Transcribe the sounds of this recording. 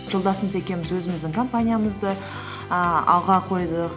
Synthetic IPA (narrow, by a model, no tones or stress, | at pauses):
ʒo̞lˠd̪ɑsəməze̞kʲe̞nmɪzwɵzɪmɪzd̪ɪŋkʰo̞mpanʲijaməzd̪ə | əɑ̰lˠʁɑqʰo̞jd̪əq